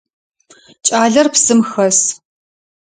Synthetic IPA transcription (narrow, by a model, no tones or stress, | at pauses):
t͡ʃʼaːɮɐrpsɨmxɐs